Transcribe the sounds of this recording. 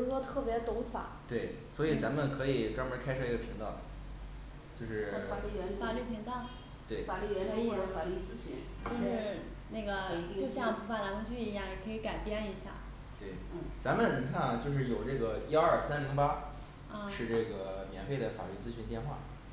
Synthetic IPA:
ɻʂwɔ˥t̪ʰɤ˥˩pjɛ˧˥t̪ʊ˧˥ŋfa̰˨˩˦t̪we˥˩ɪ | swɔ˧˥i˨˩t͡sa˧˥mə˨nkʰɤ˧˥i˨˩ʈ͡ʂwa˥ŋə˧˥kʰa˥ʂʰɤ˥˧i˧˥ɡə˧pʰi˧˥ŋt̪ɑ˥˩ʊ˩ | t͡ɕjo˥˧ʊʂɻ̩˥˩˥fa˨˩ly˥˩pʰi˧˥ŋt͡sɑ˥˩ | t̪we˥˩ɪfa˨˩ly˥˩˧fa˨˩ly˥˩t͡sɹ̩˥ɕy̰˧˥n | t͡ɕjo˥˧ʂɻ̩˥˧ | na˥˩ɡə˩˧t͡ɕjo˥˧ɕjɑ˥˧ŋpu˧˥fa˥˩la˧˥n˥t͡ɕy˥˩i˧˥ja˥˩jɛ˨˩kʰɤ˧˥i˧˥ka˨˩ɪpjɛ˥ni˧˥ɕja̰˥˩ | t̪we˥˩ɪ˥˩t͡sa˧˥mə˨ni˧˥ŋkʰa˥˩nt͡ɕjo˥˧ʊʂ̬ɻ̩˥˩jo˨˩ʊʈ͡ʂɤ˥˩ɡə˩i˥ɐ˞˥˩sa˥nli˧˥ŋpa˥˧ | ʂʰɻ̩˥˧ʈ͡ʂɤ˥˩ɡə˩mjɛ̰˧˥nfe˥˩ɪd̪ə˩fa̰˨˩ly˥˩t͡sɹ̩˥ɕʰy˧˥nt̪jɛ˥˧nxwa̰˥˩

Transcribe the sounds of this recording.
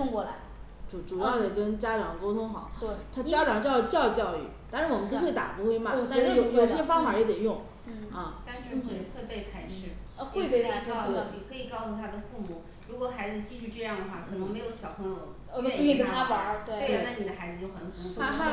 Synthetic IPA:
tʰʊ˥ŋkwɔ˥˩la̰˧˥ɪ | ʈ͡ʂu˨˩ʈ͡ʂu˨˩jɑ˥˩d̪ə˩kə˥nt͡ɕja˥ʈ͡ʂɑ˨˩ŋko˥ʊt̪ʰʊ˥ŋxɑ˨˩˦ʊt̪we˥˩t̪ʰa˥t͡ɕja˥ʈ͡ʂɑ˨˩ŋt͡ɕjɑ˥˧ʊy˧˥t͡ɕjɑ˥˧ʊt͡ɕjɑ˥˧ʊy̰˥˩t̪a˥˩nʂɻa˥wɔ˨˩ə˦˥nu˥xwe˥˩ɪt̪a̰˨˩pu˧˥xwe˥ɪma˨t͡ɕ̪ə˧jo˨˩ʊjo˨˩ɕɛ˥fɑ˥ŋfa˧˥jɛ˧˥t̪e˨˩jʊ˥˩ŋ̩˥˩ | ɐ˥˧t̪a˥˧nɻ̩˥˧˥xwe˥˧ɪpe˥˧ɪpʰa˥ɪʂɻ̩˥˩˧xwe˥˧ɪpe˥˧ɪ˥˨˩i˨˩kʰɤ˧˥i˨˩kɑ˥˧ʊsu˧t̪ʰa˥d̪ə˨fu˥˧mu˥˩ | ɻu˧˥kwɔ˧˩˦xa˧˥ɪd͡zɹ̩˧t͡ɕi˥t͡ɕʰy˥˧ʈ͡ʂɤ˥˧jɑ˥˩ŋd̪ə˩xwa˥˩kʰɤ˨˩nɤ˧˥ŋme˧˥ɪjo˧˥ʊɕjɑ˨˩ʊpʰə˥o˧˩˧ | kə˨˩˥t̪ʰa˥pə˧˥t̪we˥˩we˧˥˩na˥˩ni˨˩d̪ə˦xa˧˥ɪd͡zɹ̩˨˧t͡ɕo˥˩ʊkʰə˨˩nʰ˧˥˧a˥t̪ʰa˥

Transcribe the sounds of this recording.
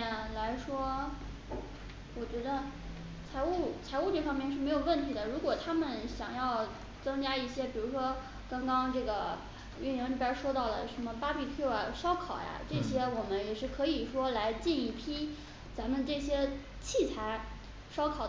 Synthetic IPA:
la˧˥ɪʂwɔ˥ | wɔ˨˩t͡ɕɥɛ˧˥d̪ə˧ | t͡sʰa˧˥ɪu˥˩t͡sʰa˧˥ɪu˥˧ʈ͡ʂɤ˥˩fɑ˥ŋmjɛ˥˧nʂɻ̩˥˩me˧˥ɪjo˨˩ʊwə˥˩nt̪ʰi˧˥d̪ə˧ɻu˧˥kwɔ˨˩t̪ʰa˥mə˨nɕjɑ̰˨˩ŋjɑ˥˩ʊ | t͡sɤ˥ŋt͡ɕja˥i˥˩ɕjɛ˥pi˨˩ɻu˧˥ʂwɔ˥ | kɑ˥ŋkɑ˥ŋʈ͡ʂɤ˥˩ɡə˩ | y˥˩nji˧˥ŋi˥˩pʲjɛ˥ʂwɔ˥t̪ɑ˥˩ʊlə̰˩ʂə˧˥nmə˧pa˥pi˥˧t̪ʰu˥˩ə̰˩ʂɑ˥ʊkʰɑ˨˩ʊja̰˦ʈ͡ʂɤ˥˩ɕjɛ˥wɔ˨˩mə˦njɛ˨˩ʂɻ̩˥˩kʰɤ˧˥i˨˩ʂwɔ˥la˧˥ɪt͡ɕi˥˧ni˥˩pʰi˥ | t͡sa˧˥mə˧˨nʈ͡ʂɤ˥˩ɕjɛ˥ | t͡ɕʰi˥˩t͡sʰa˧˥ɪ | ʂɑ˥ʊkʰɑ˨˩ʊ

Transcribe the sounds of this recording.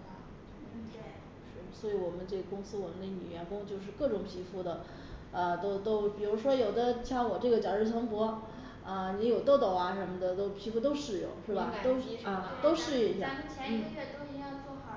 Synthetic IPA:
ʂɻ̩˥˩˨swɔ˧˥i˧˥wɔ˨˩mə˦nʈ͡ʂɤ˥˩ɡə˩kʊ˥ŋsɹ̩˥wɔ˨˩mə˦nd̪ə˧˩ny˨˩ɥɛ˧˥nfʊ˥ŋt͡ɕjo˥˧ʊʂ̬ɻ̩˥˧kɤ˥˩ʈ͡ʂʊ˨˩ŋpʰi˧˥fu˥˩d̪ə˩ | ə˧t̪o˥ʊt̪o˥ʊpi˨˩ɻu˧˥ʂwɔ˥jo˨˩ʊd̪ə˦ɕjɑ˥˩ŋwɔ˨˩ʈ͡ʂɤ˥˩ɡə˩t͡ɕjɑ˨˩ʈ͡ʂɻ̩˥˩t͡sʰɤ˧˥ŋpwɔ˧˥ | ə˧ni˧˥jo˨˩ʊt̪o˥˧ʊt̪o˥˩ʊɐ˧ʂə˧˥mə˧d̪ə˨t̪o˥ʊpʰi˧˥fu˥˧t̪̬o˥ʊʂɻ̩˥˩jʊ̰˥˩˦ŋʂw̩ɪ˥˩ba˨˩t̪o˥ʊ˧˥˧t̪o˥ʊʂɻ̩˥˧i˥˩ɕjɑ̰˥˩t͡ɕʰɛ˧˥n̩˥˩˥ɥɛ˥˩t̪o˥ʊi˧˥ŋa˥˧t͡swɔ˥xɑ˧˩˥

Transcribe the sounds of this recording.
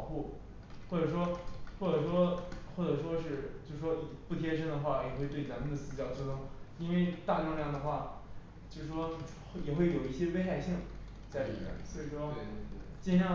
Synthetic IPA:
ʊxu˥˩ | xwɔ˥˩ʈ͡ʂɤ˨˩ʂwɔ˥xwɔ˥˩ʈ͡ʂɤ˨˩ʂwɔ˥xwɔ˥˩ʈ͡ʂɤ˨˩ʂwɔ˥ʂɻ̩˥˧t͡ɕjo˥˧ʊʂɻ̩˥˩ʂwɔ˥i˨˩pu˥˩t̪ʰjɛ˥ʂə˥nd̪ə˨xwa˥˩jɛ˨˩xwe˥˧ɪt̪we˥˩ɪna˧˥mə˧d̪ə˩sɹ̩˥t͡ɕjɑ˨˩ʊt͡ɕʰi˥t̪ʊ˥ŋi˥nwe˥˩ɪt̪a˥˧lʊ˥˧ŋljɑ˥˩ŋd̪ə˩xwa˥˩ | t͡ɕjo˥˧ʂ̩˥˩ʂwɔ˥ | jɛ˨˩xwe˥˩ɪjo˨˩ʊi˥˩ɕjɛ˥we˥xa˧ɪɕi˥˩˧ŋ | t͡sa˥˩ɪlḭ˨˩mjɛ̰˥˩nswɔ˧˥i˨˩ʂɔ˥˧t͡ɕi˥˧ɕjɑ˥˧

